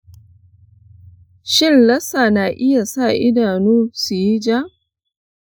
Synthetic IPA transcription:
ʃɪ˦nlɐ˦sa˨na˨ʔɪ˦ja˨sa˦˨ʔɪ˦daː˨nuː˦su˨ji˦d͡ʒa˦

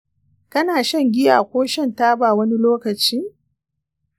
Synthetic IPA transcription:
kɐ˦naː˨ʃɐ˦ŋɡʲɪ˦ja̰ː˨kʷoː˦ʃɛ˦ntaː˦baː˨wɐ˦ni˦loː˦kɐ˨t͡ʃiː˦

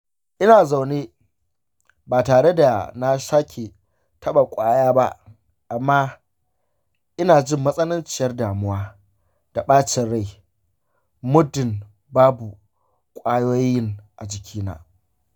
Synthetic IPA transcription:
ʔɪ˦naː˨za˨wneː˦ | baː˨taː˨ɽe˦da˨na˦ʃaː˦kʲʰe˨ | tɐ˦ɓa˨kʷʼaː˦jaː˦ba˦ | ʔa˨mːaː˦ | ʔɪ˦naː˨d͡ʒɪ˦mːɐ˦sʼɐ˦nʊ˦nt͡ʃɪ˨jɐ˦rdaː˨mʊ˦waː˦ | d̥a˨ɓaː˦t͡ʃɪ˨rɽa˦˨j | mʊ˦dɪ˨n | baː˦bu˨ | kʷʼaː˦joː˦jɪ˦ŋʔa˨d͡ʒɪ˨kʲiː˦na̰ː˦

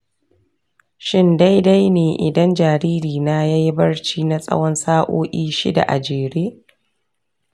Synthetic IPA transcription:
ʃɪ˦nda˦jda˦jneː˨ʔɪ̰˨dɐ˦nd͡ʒaː˨ɾiː˦ɾiː˨naː˦ja˦ji˦bɐ˦rt͡ʃiː˦na˦sʼɐ̰˦wɔ˦nsaː˦ʔoː˦ʔʲiː˦ʃḭ˦da̰˨ʔa̰˨d͡ʒeː˨ɾeː˦

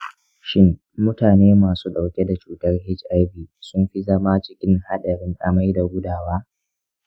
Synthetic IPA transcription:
ʃɪ˦n | mʊ˦taː˨neː˦maː˨suː˦ɗa˨wkʲe˦da˨t͡ʃuː˨tɐ˦rɦɪ˦t͡ʃʔa˦jbiː˨sʊ˦mɸi˦zɐ˦maː˦t͡ʃɪ˦kʲɪ˦ŋha˦ɗɐ˨ɾɪ˦ŋʔa˨ma˦jda˨ɡʷʊ˦daː˨waː˦

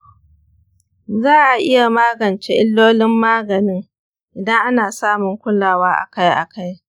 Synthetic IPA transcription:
zaː˦ʔa˨ʔɪ˦ja˨maː˦ɡɐ˨nt͡ʃe˦ʔɪ˦lːoː˦lɪ˦mːaː˦ɡɐ˨nɪ˦ŋ | ʔɪ˨dɐ˦ŋʔa˦naː˨saː˦mʊ˨ŋkʷʊ˦laː˨waː˦ʔa̰˨ka˦jʔa̰˨ka˦j

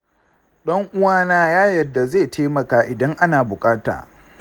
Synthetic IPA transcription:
ɗɐ˦ŋʔʊ˦waː˦naː˦jaː˦jɐ˨dːa˨zeː˦˨tʰeː˦mɐ˨kaː˦ʔɪ˨dɐ˦ŋʔa˦naː˨bʊ˨kʼaː˦ta̰ː˨

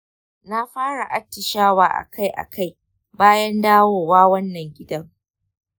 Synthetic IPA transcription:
na˦ɸaː˦ɽa˨ʔa˦tːɪ˨ʃaː˦waː˦ʔa̰˨kʰa˦jʔa̰˨ka˦˨j | baː˦jɐ˦ndaː˦woː˦˨waː˦wɐ˦nːɐ˨ŋɡʲɪ˦dɐ˦ŋ

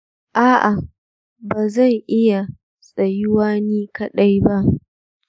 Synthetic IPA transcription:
ʔaː˦ʔa˨ | baː˨zɐ˦˨ŋʔɪ˦ja˨ | sʼɐ˨jɪ˦waː˦niː˦kɐ˨ɗa˦jba˦ʔ

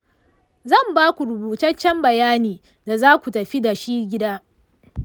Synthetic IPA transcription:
zɐ˦˨mbaː˦kʷu˨ɾʊ˨buː˨tɐ˦t͡ʃːɛ˦mbɐ˨jaː˦niː˨ | da˨zaː˦kʷu˨tɐ˨ɸi˦da˨ʃiː˦ɡʲɪ˦daː˦

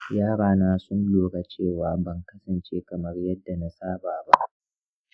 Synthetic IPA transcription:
jaː˦ɽaː˨naː˦sʊ˦nloː˨ɽa˨t͡ʃeː˦˨waː˨bɐ˦ŋkɐ˦sɐ˨nt͡ʃeː˦kɐ˨mɐ˦rjɐ˦dːa˨na˦saː˦baː˨ba˦ʔ

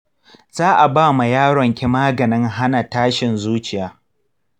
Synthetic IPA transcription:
z̥aː˦ʔa˨baː˦˨ma˨jaː˦ɽɔ˨ŋkʲɪ˦maː˦ɡɐ˨nɪ˦ŋɦa˦na˨taː˦ʃɪ˨nzuː˦t͡ʃɪ˨jaː˨˦

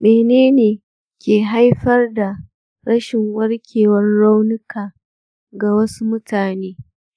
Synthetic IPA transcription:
meː˨neː˦neː˨ | kʲeː˨ɦa˦jɸɐ˦rda˨ | ɾɐ˦ʃɪ˨ŋwɐ˦ɽkʲʰeː˨wɐ˦rɽa˦wnʊ˦kaː˨ | ɡa˨wɐ˦su˦mʊ˦tʰaː˨neː˦

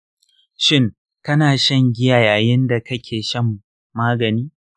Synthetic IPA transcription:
ʃɪ˦˨ŋ | kɐ˦naː˨ʃɐ˦ŋɡʲɪ˦jaː˨jaː˨jɪ˦nda˨kɐ˦kʲʰeː˨ʃɐ˦mː | aː˦ɡɐ˨niː˦

